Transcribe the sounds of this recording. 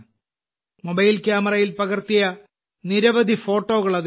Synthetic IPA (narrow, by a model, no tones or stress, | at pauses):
mobɐjilkʲjaːmɐrɐjilpɐɣirt̪ijɐ | niɾɐʋɐd̪ʱifo̞ːʈːo̞ːɣɐɭɐð